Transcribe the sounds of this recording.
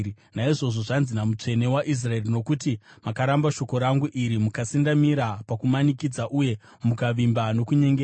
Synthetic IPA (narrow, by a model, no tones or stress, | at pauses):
naiʐo̞ʐo̞ʐanzinamut͡ʂe̞ne̞waʔis̬rae̞rino̞kutimakaɾambaʃo̞ko̞ɾaŋɡuʔiɾimukasindamiɾapakumanikid͡zaʔuje̞ | mukaʋimbano̞kuɲe̞ŋɡea